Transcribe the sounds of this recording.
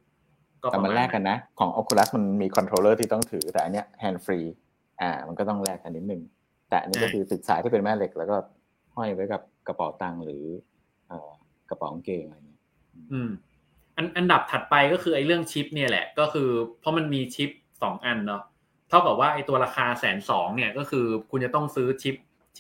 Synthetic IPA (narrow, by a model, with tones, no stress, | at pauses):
kɔː˥˩ɛ˨˩ma˧nlɛː˥˩kːa˧nːa˦˥kʰɔː˩˦ŋʔɔ˨˦˥kʰːu˧la˦˥sma˧nmiː˧kʰɔ˧nt̪ʰɾoː˧lɤː˥˩t̪ʰiː˥˩t̪ɔ˥˩ŋt̪ʰɯː˩˦t̪ɛː˨˩a˧nːi˦˥ɐhɛː˧nfɾiː˧ | ʔa̰ː˨˩ma˧nkɔ˥˩t̪ɔ˥˩ŋlɛː˥˩k̚ʔa˧nːi˦˥t̪̚nɯ˨˩ŋ | t̪ɛː˨˩ʔa̰˧ni˦˥kɔː˥˩kʰɯː˧sɯ˨˩k̪̚saː˩˦t̪ʰiː˥˩pe˧nmɛː˥˩le˦k̚lɛː˦˥wkɔː˥˩ | hɔ˥˩jpa˨˦jka˨˩p̚ka˧pɔ̰ː˨˩˦wt̪a˧ŋɾɯː˩˦ | ʔɤː˨˩ | ka˧pɔ̰ː˩˦ŋkeː˧ŋʔa˧a˧jŋːi˦˥ɐ | ʔʔɯː˧m | ʔa˧nʔa˧nda˨˩p̚t̪ʰa˨˩t̪̚pa˧jkɔː˥˩xʰɯː˧ʔa˧jɾɯ˥˩əŋt͡ɕʰi˦˥p̚ni˥˩ɐlɛ̰˨˩ʔkɔː˥˩kʰɯː˧pʰɔ˦˥ma˧nmiː˧t͡ɕʰi˦˥p̚sɔː˩˦ŋʔa˧nːɔ˦˥ | t̪ʰa˥˩wka˨˩p̚waː˥˩ʔa˧jt̪u˧ɐɾaː˧xʰaː˧sɛː˩˦nsɔː˩˦ŋni˥˩ɐkɔː˥˩kʰɯː˧kʰu˧nt͡ɕa˨˩t̪ɔ˥˩ŋsɯː˦˥t͡ɕʰi˦˥p̚ʰ